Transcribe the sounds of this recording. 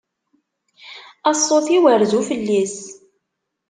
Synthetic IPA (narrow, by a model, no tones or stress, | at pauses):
ɑsˤːoθiwəɾðufəlːis